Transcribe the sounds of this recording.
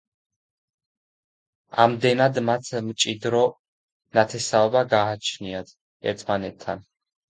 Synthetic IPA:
a̰md̪ɛnad̪mat̪ʰmt͡ʃʼid̪ɾɔ | nat̪ʰɛsaɔbaɡaːt͡ʃʰniat̪ | ɛ̰ɾt̪ʰmanɛt̪ʰːan

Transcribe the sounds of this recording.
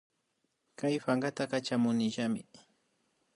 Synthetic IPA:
kajɸaŋɡat̪akat͡ʃamʊnɪʒamɪ

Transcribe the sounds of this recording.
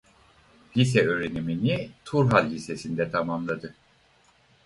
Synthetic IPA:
lis̬ɛøːɾeniminit̪ʰuɾɦalʲːise̞sind̪ɛt̪ʰamamlˠad̪ɯ

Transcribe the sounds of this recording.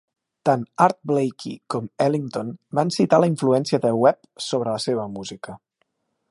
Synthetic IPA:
t̪anaɾt̪̚blejkʰḭkɔmɛliŋt̪onbansit̪aləiɱfluɛnsiəðəlwɛp | soβɾələseβ̞əmuzikə

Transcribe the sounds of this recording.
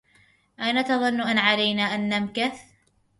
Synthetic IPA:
ʔajnat̪ɑðˤɑnːʊʔanʕalajnaːʔanːamkaθ

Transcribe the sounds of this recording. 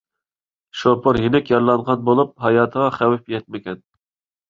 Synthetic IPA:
ʃopʰoɾjinɪkʲjɑɾlˠɑnʁɑnbolˠup̚ɦɑjɑːt̪ʰəʁɑχæwɪpjɛt̪̚mɪkʲɛn

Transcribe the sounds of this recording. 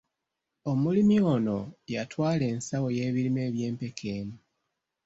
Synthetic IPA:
o̞mulimio̞no̞̰jatwaːle̞ːnsawo̞je̞ːβiɾime̞ːβje̞ːmpe̞kʰe̞ːmu

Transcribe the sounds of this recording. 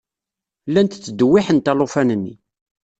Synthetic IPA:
lːænt̪t͡sːəd̪wːɪħənt̪ælˤofænənːḭ

